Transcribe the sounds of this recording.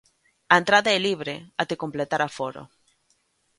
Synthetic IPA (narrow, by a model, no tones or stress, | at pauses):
aent̪ɾaðaeliβɾeat̪ekomplet̪aɾafoɾo̰